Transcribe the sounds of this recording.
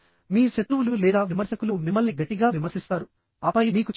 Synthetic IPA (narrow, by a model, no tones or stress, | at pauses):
miːʃɐt̪ɾuʋululɛːd̪aːʋimɐɾsɐkulumimːɐlniɡɐʈːiɡaːʋimɐɾsist̪aːɾu | ɐpɐjimiːkut͡ʃ